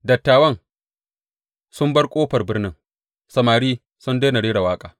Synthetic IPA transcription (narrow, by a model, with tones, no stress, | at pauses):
dɐ˨tːaː˨wɐ˦ŋ | sʊ˦mbɐ˦rkʷʼoː˦ɸɐ˨rbɪ˦rnɪ˦ŋ | sɐ˨maː˨ɽiː˦ | sʊ˦ndeː˦na˨ɽeː˦ɾa˨waː˦kʼaː˨